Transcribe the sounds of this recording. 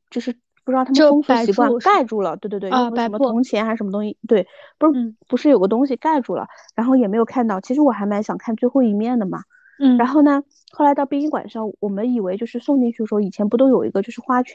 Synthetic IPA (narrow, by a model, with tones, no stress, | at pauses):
t͡ɕjo˥˧ʊʂɻ̩˥˧ | pu˥˩ɻ̩˥ɑ˥˩˧ʊ˥ŋsu˧˥i˨˥kwa˥n˥ka˥˧ɪʈ͡ʂu˥˩lə˩t̪we˥˧t̪wtwo˥˧˩ə˧˥mə˧ʊ˧˥ŋt͡ɕʰjɛ˧˥nxa˧˥ʂə˧˥mə˧t̪ʊ˥ŋɕi˨˩t̪we˥˩ɪpu˧˥ʂpu˧˥ʂɻ̩˥˩jo˨˩ʊɡə˦t̪ʊ˥ŋɕi˨ka˥˧ɪʈ͡ʂu˥˩lə̰˩ɻa˧˥nxo˥˩ʊjɛ˨˩me˧˥ɪjo˨˩ʊkʰa˥˧nt̪ɑ˥˩ʊt͡ɕʰi˧˥ʂ̬ɻ̩˧˥wɔ˨˩xa˧˥ɪma˧˥ɪɕjɑ˨˩ŋkʰa˥˧nt͡swe˥˧ɪxo˥˩ʊi˧˥˩mjɛ˥˩nd̪ə˩mɐ̰˩ | a˧˥nxo˥˩ʊnə˩ | xo˥˩la˧˥ɪt̪ɑ˥˧ʊpjɛ˥ni˥kwa̰˨˩nʂɑ˥˩ŋwɔ˨˩mə˦ni˨˩we˧˥ɪt͡ɕjo˥˧ʊʂɻ̩˥˧sŋt̪i˥˧nt͡ɕʰy˥˩ə˩ʂi˨˩jɛ˥npu˧˥t̪o˥ʊjo˨˩ʊḭ˧˥ɡə˧t͡ɕjo˥˧ʊʂɻ̩˥˩xwa˥t͡ɕʰ